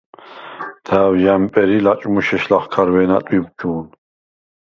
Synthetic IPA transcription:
d̪ʰæːwjampʼɛɾilat͡ʃʼmuʃɛʃlaχkʰaɾvɛːnat̪ʼwib̚d͡ʒuːn

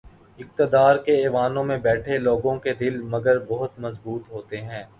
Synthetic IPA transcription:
ɪq̚t̪ɪd̪aːɾkeɛːʋaːnõmẽbɛːʈʰeloːɡõked̪ɪlmɐɡəɾbɐɦʊt̪mɐzbuːt̪ɦoːt̪eɦɛ̃ː

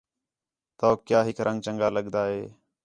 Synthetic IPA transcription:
t̪oːkjaːɦɪkɾʔəŋɡ̚t͡ʃəŋɡaːləɠd̪aːɦeː

